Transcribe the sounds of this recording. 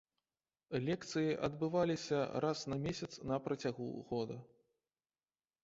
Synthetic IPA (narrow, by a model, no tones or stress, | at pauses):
lʲɛkt̪sɨjiʔɐ̰d̪bɨvalʲisʲɐɾasnɐmʲesʲɐt̪snɐpɾɐt͡sʲaɣṵɣɔd̪ɐ